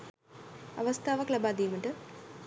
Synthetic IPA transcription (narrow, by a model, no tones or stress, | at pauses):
ɐ̰ʋɐst̪ʰaːʋɐklɐbaːd̪iːmɐʈɨ